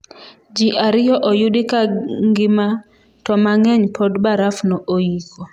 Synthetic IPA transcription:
d͡ʒiʔaɾɪjɔʔɔjudikaŋɡɪma | tɔmaŋɛɲpʰɔdbaɾafnɔʔoikɔ

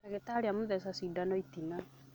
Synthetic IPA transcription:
aɣetaɾeamoðɛsasidanɔitina

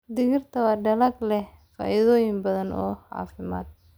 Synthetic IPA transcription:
d̪ɪɣɪrt̪ʰɐwaɖɐlɐɡlɛhfa̰ːʔɪðɔːjɪmbɐðɐnʔɔ̰ːha̰ːfɪma̰ːd̪̚

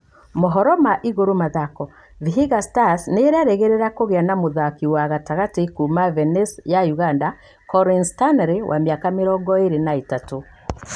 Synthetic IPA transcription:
moɦɔɾɔmaʔiɣoɾomaðakɔ | viɦiɣastasneːɾeaɾeɣeɾeɾakoɣeanamoðakiwaɣataɣatekumavɛnesjajuɣanda | kɔɾinstanɾewʔa̰mjakameɾɔɡɔeɾenaetato

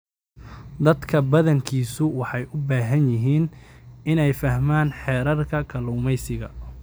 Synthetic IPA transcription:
d̪ɐd̪kʰɐbɐðɐŋkʰiːsʊwɑħɑjʊbaːɦɐnjɪɦiːnɪnɛjfɐhmaːnħɛːɾɐrkʰɐkʰɐlʊːmɛjsɪɣɐ̰

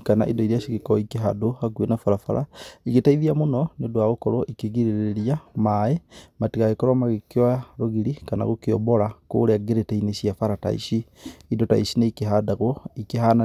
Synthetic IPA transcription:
kana̰ʔḭdɔiɾiaʃiɣekɔikeɦadohaɡwenafaɾafaɾʔa̰iɣetaiðiamonɔnedwaɣokɔɾɔʔikeɣiɾeɾeɾiamaematiɣaɣekɔɾwamaɣekewaɾoɣiɾikana̰ɣokeɔ̰bɔɾako̰ɾeaɡeɾetɛineʃiafaɾata̰ḭʃiidɔta̰iʃineikeɦadaɣwɔikeɦana

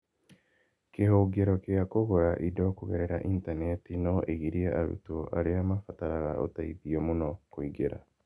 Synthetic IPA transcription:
kehoɡeɾokeakoɣoɾaʔidokuɣeɾeɾaʔintanetinoʔeɣiɾiaʔaɾṵtoʔa̰ɾeamafataɾaɣao̰taiðiomonokoiɡeɾa̰

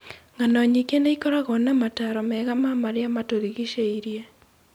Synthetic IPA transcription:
ŋanɔɲikeneikoɾaɣɔnamataɾɔmɛːɣamamaɾeamatoɾiɣiʃeiɾje

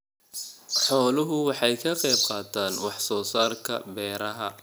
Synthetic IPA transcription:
ħɔːlʊɦʊwɑħɑjkʰɐqɛjb̚qɑːt̪ʰaːnwɑħsɔːsaːrkʰɐ̰bɛːɾɐɦɐ

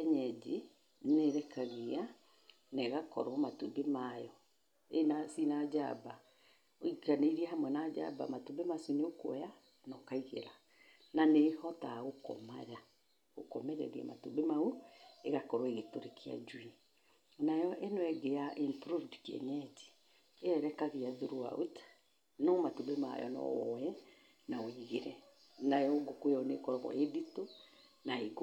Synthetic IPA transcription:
ɛɲɛd͡ʒi | neɾɛkaɣea | neɣakɔ̰ɾwɔmatubemajɔ | enasinad͡ʒa̰ba | oikaneiɾiɛhamwɛnad͡ʒa̰ba̰matubemasuneokwɛja | nɔkaiɣḛɾa | nanehɔtaɣokɔ̰ma̰ɾa | ɣokɔmɛɾɛ̰ɾia̰ma̰tubemaueɣakɔɾɔeɣetoɾekʰea̰d͡ʒwi | najɔʔenwɛɡeaʔimpɾuvdkɛ̰ɲɛti̥ | eɛɾɛkaɣeaðuɾua̰o̰tḁ | nɔmatubema̰jɔ̰nɔ̰ɛ | naoiɣeɾɛ | najɔɡokweɔnekɔɾɔɣɔ̰edito | naek

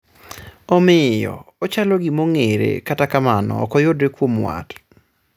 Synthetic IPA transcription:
ɔmɪjɔ̰ɔt͡ʃalɔɡimoŋeɾḛkatakamanɔ̰ːkɔjodekwomwa̰t

